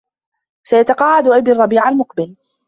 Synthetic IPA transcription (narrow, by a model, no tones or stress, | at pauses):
sajat̪ɑqɑːʕad̪ʔabirˤːɑbiːʕalmʊqbɪl